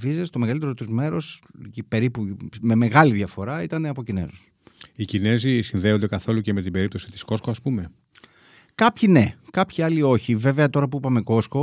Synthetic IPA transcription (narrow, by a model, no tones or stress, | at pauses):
vizest̪o̞me̞ɣɐlit̪e̞ɾot̪uzme̞ɾo̞spe̞ɾipume̞me̞ɣɐliðʝɐfo̞ɾɐit̪ɐneɐpocine̞̰zos | icine̞zisinðe̞ond̪e̞kɐθo̞luceme̞t̪ibeɾip̚t̪o̞si̥t̪i̥sko̞skoɐspume̞ | kɐpçine̞kɐpçiɐlio̞çive̞ve̞ɐt̪o̞ɾɐpuipɐme̞ko̞sko̞